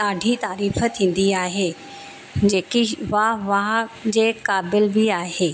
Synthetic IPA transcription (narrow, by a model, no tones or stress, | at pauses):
aːɖʱit̪aːɾiːfə̆t̪ʰĩːn̆d̪iaːɦeː | d͡ʑeːkiʋaʋaɦd͡ʑeːkaːbɪlbɪaːɦeː